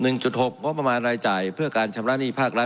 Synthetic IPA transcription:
nɯ˨˩ŋt͡ɕu˨˩t̪̚ho˨˩k̚ŋo˦˥p̚ːɾa˧maː˧nɾaː˧jt͡ɕaː˨˩jpʰɯ˥˩ɐkaː˧nt͡ɕʰa˧mɾa˦˥niː˥˩pʰaː˥˩k̚ɾa˦˥

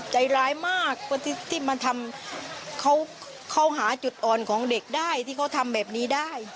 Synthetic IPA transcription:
t͡ɕa˨˩jɾaː˦˥jmaː˥˩k̚pʰɯ˧˩t̪ʰi˥˩t̪ʰiː˥˩ma˧nt̪ʰa˧m | kʰa˦˥w | kʰa˧˥˩wɦaː˩˦t͡ɕu˨˩t̪̚ʔɔː˨˩nkʰɔː˩˦ŋde˨˩k̚daː˥˩jt̪ʰiː˥˩kʰwt̪ʰa˧mbɛː˨˩p̚niː˦˥daː˥˩j

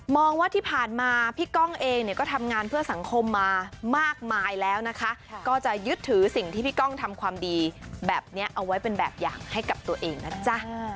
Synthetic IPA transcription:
mɔː˧ŋwaː˥˩t̪ʰiː˥˩pʰaː˨˩nmaː˧pʰiː˥˩kɔ˥˩ŋʔeː˧ŋni˥˩ɐkɔː˥˩t̪ʰa˧mŋaː˧npʰɯ˥˩ɐsa˩˦ŋkʰo˧mːaː˧maː˥˩k̚maː˧jlɛː˦˥wna˦˥kʰa˦˥ʔkɔː˥˩t͡ɕa˨˩jɯ˦˥t̪ʰːɯː˩˦si˨˩ŋt̪ʰiː˥˩pʰiː˥˩kɔ˥˩ŋt̪ʰa˧mkʰwaː˧mdiː˧bɛː˨˩p̚ni˦˥ɐʔa˧wːa˦˥jpe˧nbɛː˨˩p̚ja̰ː˨˩ŋha˥˩jka˨˩p̚t̪u˧ɐʔeː˧ŋna˦˥t͡ɕa˦˥˩

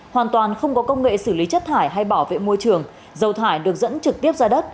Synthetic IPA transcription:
hwaː˨˩nt̪waː˨˩nxə˧wŋ͡mkɔ˨˦kə˧wŋ͡mŋḛ˧˨sɨ˧˩li˨˦t͡ɕə˦˥t̚t̪ʰaː˧˩jɦa˧jɓaː˧˩wvḛ˧˨mo˧jt͡ɕɨ˨˩əŋ | zə˨˩wt̪ʰaː˧˩jɗɨ˨˩ək̚zə̰˧˥nt͡ɕɨ˨˩k̚t̪i˦˥əp̚zaː˧ɗə˦˥t̚

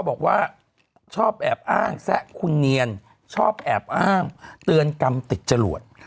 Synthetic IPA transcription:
kʰːbɔː˨˩k̚waː˥˩ | t͡ɕʰɔː˥˩p̚ʔɛː˨˩p̚ʔaː˥˩ŋsɛ˦˥ʔkʰu˧nːi˧ən | t͡ɕʰɔː˥˩p̚ʔɛː˨˩p̚ʔaː˥˩ŋt̪ɯ˧ənka˧mt̪i˨˩t̪̚t͡ɕa˧lu˨˩ət̪̚

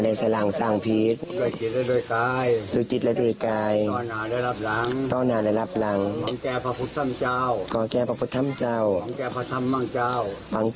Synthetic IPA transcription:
na˧˩jsa˧la˨˩ŋsaː˧˩ŋpʰi˧˦t̪̚du˧˩əjt͡ɕi˧˦t̪̚lɛ˧˩du˧˩ə˨jkaː˧jlɯː˧˩˦t͡ɕi˨˧t̪̚lɛ˧˥˧du˧˩˨jkaː˧jɔ˧˩naː˨˦la˧jla˧˩p̚la˨˦ŋt̪ɔː˧˩naː˨˩˦la˧˩jla˧˩p̚la˨˦ŋɔ˧˦kɛː˧˩pʰa˧pʰu˧˦˥t̪ʰːa˧˥˨mt͡ɕaː˧˥wkɔː˨˧˦kɛː˧˩pʰa˧pʰu˧t̪ʰːa˧˥˨mt͡ɕa˧˩wŋkɛː˧˩pʰa˧t̪ʰa˧˨mːa˧˨ŋt͡ɕaː˧˩˨wwa˧˦ŋ

